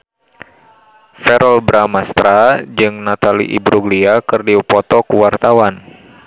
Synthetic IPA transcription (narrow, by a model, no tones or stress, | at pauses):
fɛɾɔlbɾamast̪ɾad͡ʒɨŋnat̪alḭʔḭbɾuɡliakɨrdiupɔt̪ɔkuwart̪awan